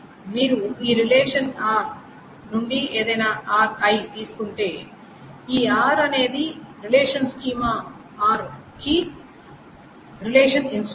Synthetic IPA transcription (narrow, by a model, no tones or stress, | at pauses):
miːɾuiːɾileːʂɐnaːɾ | nuɳɖie̞ːd̪ɐjnaːʔaːɾkɐjt̪iːsu̥kuɳʈe̞ː | iːaːɾɐne̞ːd̪iɾileːʂɐnskiːma | aːɾki | ɾileːʂɐnins